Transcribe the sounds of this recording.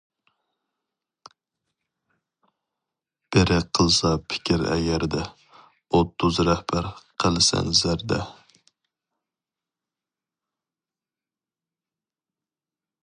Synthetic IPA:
b̥ɪɾʔɪqʰəlˠsɑpʰɪ̥kʲʰiɾɛ̰ɡʲæɾd̪ɛ | ot̪ʰːʊzɾɛhbæɾqʰəlˠsɛ̰nzæɾd̪ɛ̰

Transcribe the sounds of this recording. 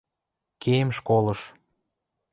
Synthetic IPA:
kemʃkolɤ̆ʃ

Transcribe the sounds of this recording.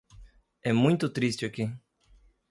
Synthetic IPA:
ɛmũj̃t̪ʊt̪ɾist͡ʃɪaki

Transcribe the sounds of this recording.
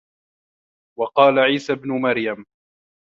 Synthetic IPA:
wɑqɑːlaʕiːsabnʊmaɾjam

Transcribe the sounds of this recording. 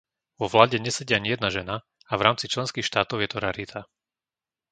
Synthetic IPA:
ʋɔʋlaːɟɛɲɛsɛɟɪaɲijɛd̪naʒɛna | avɾaːmt͡sit͡ʃlɛnskiːxʃt̪aːt̪ɔʊjɛt̪ɔɾaɾit̪ʰa

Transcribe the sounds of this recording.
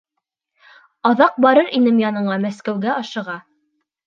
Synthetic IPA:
ɑðɑq̚bɑɾɤɾinɘmjɑnɤ̆ɴɑmæskæwɡæʔɑʃɤ̆ʁɑ

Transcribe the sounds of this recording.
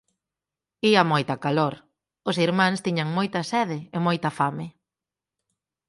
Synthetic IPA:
iɐmojt̪ɐkaloɾ | ʊsiɾmãŋst̪iɲɐŋmojt̪ɐsɛðɪɪmojt̪ɐfamɪ

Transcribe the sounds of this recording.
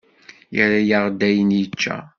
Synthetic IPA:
jəɾajaʁd̪æjənjət͡ʃːæ̰

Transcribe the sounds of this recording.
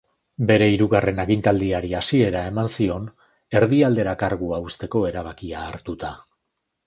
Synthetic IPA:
be̞ɾe̞iɾuɣare̞naɣint̪ald̪iaɾiasie̞ɾae̞mansio̞n | e̞ɾðiald̪e̞ɾakaɾɣuaust̪e̞ko̞e̞ɾaβ̞akiaːɾt̪ut̪a

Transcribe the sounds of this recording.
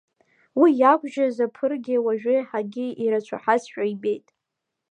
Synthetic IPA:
wijakʷʰʼʒazapʰɨrɡʲɪwaʒᶣɪħaɡʲɪiɾat͡ʃʷʰa̰ħasʃᶣaibe̞jtʼ

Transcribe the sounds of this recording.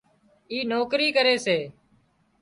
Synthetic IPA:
iːnoːkɾiːkəɾeːseː

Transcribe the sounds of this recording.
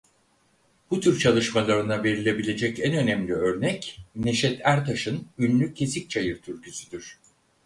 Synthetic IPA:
b̥ut̪ʰyɾt͡ʃʰalˠɯʃmalˠaɾɯnave̞ɾilʲe̞bilʲe̞d͡ʒɛcænø̞nɛmlʲiø̞ɾnɛcne̞ʃɛt̪ʰæɾt̪ʰaʃɯnynlʲycʰːe̞sic̚t͡ʃʰajɯɾt̪ʰyɾcʰysyd̪yɾ̥

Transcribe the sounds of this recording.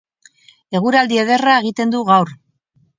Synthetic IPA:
e̞ɣ̞uɾald̪ieð̞e̞rae̞ɣ̞it̪e̞nd̪uɣawɾ

